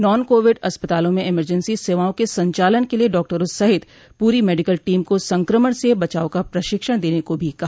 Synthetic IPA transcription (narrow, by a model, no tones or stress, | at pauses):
nɔːnkoːʋɪɖɐspət̪aːlõmẽɪməɾd͡ʒə̃nsiseːʋaːõkesɐ̃ɲt͡ʃaːlənkelieɖɔːk̚ʈəɾosɐɦɪt̪ | puːɾimeːɖɪkəlʈiːmkosɐ̃ŋkɾəməɽ̃sebɐt͡ʃaːõkapɾɐʃɪkʃəɽ̃d̪eːnekobʱikɐɦ